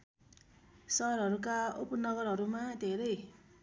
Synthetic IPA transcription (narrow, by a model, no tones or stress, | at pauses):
sʌɦɾɦʌɾukaopʌnʌɡʌɾɦʌɾumad̪ʱeɾʌj